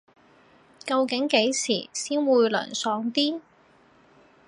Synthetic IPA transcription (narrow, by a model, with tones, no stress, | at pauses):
kɐ˧wkɪ˨˥ŋke˨˥jsiː˨˩siː˥nwuː˨˧jlœ̰ː˨˩nsɔː˨˧ŋt̪iː˥